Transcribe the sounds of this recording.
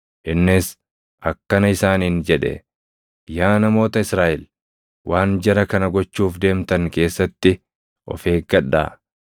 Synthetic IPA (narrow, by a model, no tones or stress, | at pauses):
ʔɪnːɪs | ʔɐkːɐnɐɪsaːniːnd͡ʒɛᶑɛ̰ | jaːnɐmo̞ːt̪ɐɪsɾaːʔɪl | wʔaːnd͡ʒɛɾɐkɐnɐɡɔt͡ʃːuːfd̪e̞ːmt̪ɐŋke̞ːsːɐt̪ːɪ | ʔɔ̰feːɡɐᶑːa̰ː